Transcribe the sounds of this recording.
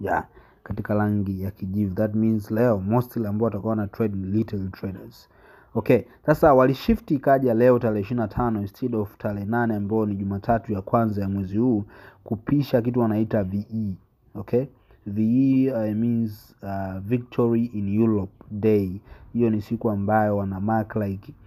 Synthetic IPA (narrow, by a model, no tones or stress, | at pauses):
ja | katikalaŋɡijakiʄivuðatminzlɛɔmɔstilambaɔatakuwanatɾɛdilitaltɹɛdaz̥ | ɔkɛsasawaliʃiftikaʄialɛɔtalɛɛiʃiɾinatʰanɔinstʰɛdɔvtʰalɛɛnanɛambaɔniʄumaːtʰatujakwanzajamwɛzihuːkupiʃak̬ituwanaitavii | ɔkʰɛ | viiminz | avik̚tʰɔɹiinjuɾɔp̚dehijɔnisikuambajɔwanamaklajk